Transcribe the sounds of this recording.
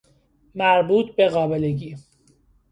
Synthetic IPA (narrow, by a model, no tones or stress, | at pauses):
mæɾbuːt̪̚ʰbe̞ɣɒːbe̞leɟiː